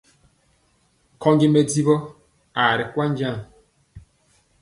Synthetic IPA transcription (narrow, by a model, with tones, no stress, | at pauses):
kʰɔ˦ɲd͡ʒi˦me˨di˦bɔ˦ | a˨ɾi˨kwa˦ɲ˦d͡ʒa˦˨ŋ